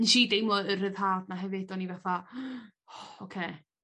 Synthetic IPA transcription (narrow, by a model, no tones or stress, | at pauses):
nʃidejmlɔər̥ɪðhaːdnaɦɛvɪdɔnivaθa | ɔokʰeː